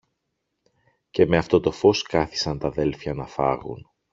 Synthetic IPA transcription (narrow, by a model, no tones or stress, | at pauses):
ce̞me̞ɐft̪o̞t̪o̞fo̞skɐθi̥sɐnt̪ɐðe̞lfçɐnɐfɐ̰ɣṵn